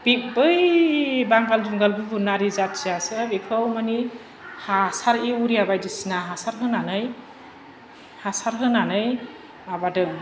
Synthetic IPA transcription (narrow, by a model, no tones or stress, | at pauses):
bibɯjbaŋɡalzumɡalbɯbunaɾizat̚siasɯbikʰɯwmani | hasaɾiuɾijabajdisinaɦasaɾɦɯnanɯj | hasaɾɦɯnanɯj | abadɯ